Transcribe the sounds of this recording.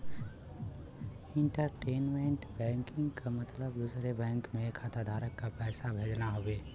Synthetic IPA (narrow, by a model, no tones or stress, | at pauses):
ɪ̃ɳʈəɾʈeːnmẽɳʈbɛ̃ːŋkɪ̃ŋɡkamɐt̪ləbd̪usɾebɛ̃ːŋkmẽkʰat̪ad̪ʱaːɾəkːapɛːsabʱeːd͡ʒnaɦoʋeː